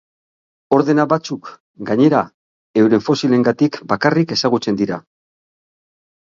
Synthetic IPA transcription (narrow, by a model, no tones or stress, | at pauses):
o̞ɾðe̞naβat͡suk | ɡaɲe̞ɾa | e̞wɾe̞ɱfo̞sile̞ŋɡat̪ikbakarike̞saɣut͡se̞nd̪iɾa